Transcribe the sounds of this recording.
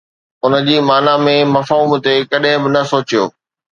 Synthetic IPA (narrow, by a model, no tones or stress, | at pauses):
ʊnə̆d͡ʑiːmaːnamẽmɐfɦuːmt̪ekɐɗɦɪ̃bɪnɐsoːt͡ɕijo̰ː